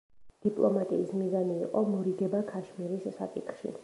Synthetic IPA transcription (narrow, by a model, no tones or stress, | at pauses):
d̪̥ipʼlˠɔmat̪ʼiːsmizaniːqʼɔmɔɾiɡɛbakʰaʃmiɾisːakʼḭt̪χʃḭ